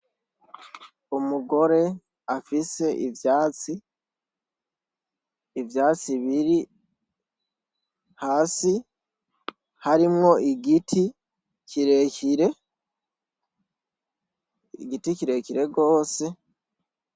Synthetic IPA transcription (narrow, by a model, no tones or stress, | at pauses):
omuɡo̞ɾe̞ | afise̞ʔivjaːt͡si | vjaːt͡siβiɾi | haːsi | haɾimŋo̞iɡitʰi | ciɾeciɾe̞ | iɡiticiɾe̞ciɾe̞ɡo̞ːse̞